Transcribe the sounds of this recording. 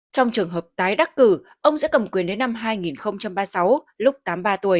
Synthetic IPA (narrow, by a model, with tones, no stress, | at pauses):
t͡ɕɔ˧wŋ͡mt͡ɕɨ˨˩əŋɦəː˨˩p̚t̪aː˨˦jɗa˦˥k̚kɨ˧˩ | ʔə˧wŋ͡mzɨ̰˧˥kə˨˩mkwənɗe˨˦nːa˧mɦaː˧jŋi˨˩nxə˧wŋ͡mt͡ɕa˧mɓaː˧sa˨˦w | lʊ˦˥k͡p̚t̪aː˨˦mɓaː˧t̪u˨˩əj